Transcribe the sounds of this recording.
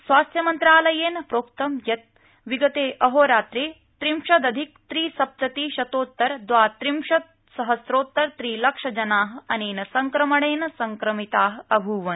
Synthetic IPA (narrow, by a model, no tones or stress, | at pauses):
sʋaːst̪jɐmɐnt̪ɾaːlɐjeːnɐpɾoːkt̪ɐmjɐt̪̚ | ʋiɡɐt̪eːʔɐɦoːɾaːt̪ɾeː | t̪ɾimʃɐd̪ɐd̪ʱik̚t̪ɾiːsɐp̚t̪ɐt̪iːʃɐt̪oːt̪ːɐɾd̪ʋaːt̪ɾimʃɐt̪̚ | sɐɦɐsɾoːt̪ːɐɾt̪ɾiːlɐkʂɐd͡ʒɐnaːɦɐ̆ɐneːnɐsɐŋkɾɐmɐɽeːnɐsɐŋkɾɐmit̪aːɦɐ̆ɐbʱuːʋɐn